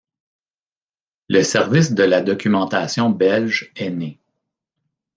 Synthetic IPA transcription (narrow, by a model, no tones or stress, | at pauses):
ləsɛʁvɪsd̪əlad̪ɔkʲymɑ̃t̪asjɔ̃bɛlʒɛne